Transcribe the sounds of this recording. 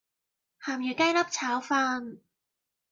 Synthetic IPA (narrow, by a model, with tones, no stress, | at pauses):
haː˨˩mjyː˨˩kɐ˥jlɐ˥p̚t͡sʰaː˨˥wfaː˥n